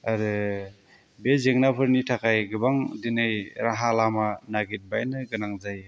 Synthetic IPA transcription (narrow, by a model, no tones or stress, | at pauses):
aɾɯ | bezeŋnapʰɯɾnitʰakʰajɡɯbaŋdinɯjɾaɦalamanaɡit̚bajnɯɡɯnaŋzaj